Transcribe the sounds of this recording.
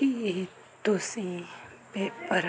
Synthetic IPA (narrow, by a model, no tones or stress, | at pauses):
i | t̪osi | pepəɾ